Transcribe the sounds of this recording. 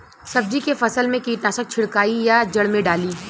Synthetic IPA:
sɐb̚d͡ʒikefɐsəlmẽkiːʈnaːʃək̚t͡ʃʰɪɽkaːijad͡ʒɐɽmẽɖaːliː

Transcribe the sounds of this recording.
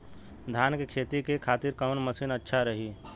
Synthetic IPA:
d̪ʱaːnkekʰeːt̪ɾikekʰaːt̪ɪɾkəːnməsiːnətːʃʰaɾɐɦiː

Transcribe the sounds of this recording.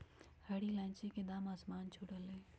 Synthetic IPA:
həɽilãːt͡ʃeked̪aːmaːsmaːnt͡ʃʰuɽəleː

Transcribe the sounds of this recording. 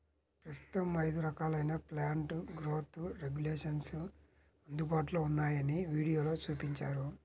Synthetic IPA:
pɾɐst̪u̥t̪ɐmːɐjɐd̪uɾɐkaːlɐjnɐplaːɳʈɡɾoːt̪ʰuɾeɡjuleːʂɐns | ɐnd̪ubaːʈ̬uloːunːaːjɐniʋiːɽijoːlo̞ːt͡ʃuːpiɲt͡ʃaːɾu

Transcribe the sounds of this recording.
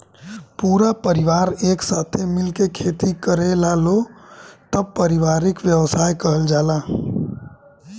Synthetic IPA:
puɾapəɾiʋaɾeːksat̪ʰemilkekʰet̪ikəɾelalot̪əb̚pəɾiʋaɾikʋjəwsajkəɦəld͡ʒala

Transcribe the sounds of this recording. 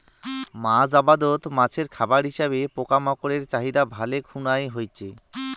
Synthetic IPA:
mãd͡ʑabad̪ot̪mãt͡ɕʰeɾkʰabaɾɦiʃaβepokamɔkoɾeɾt͡ɕaɦid̪abʱalekʰunajɦojt͡ɕʰe

